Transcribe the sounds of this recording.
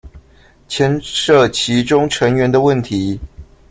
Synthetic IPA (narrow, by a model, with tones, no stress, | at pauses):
t͡ɕʰjɛ˥nʂɤ˥˩t͡ɕʰi˨˥ʈ͡ʂʊ˥ŋʈ͡ʂʰə˧˥ŋɥɛ˧˦nd̪ə˧wə˥˨nt̪ʰi˨˦